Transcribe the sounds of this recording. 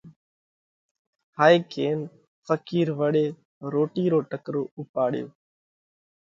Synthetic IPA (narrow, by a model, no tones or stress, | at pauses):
haːiːkʰeːn | fəkiːɾʋəɗeː | ɾoːʈiːɾoːʈəkɾoːʊpaːɽjo̰ː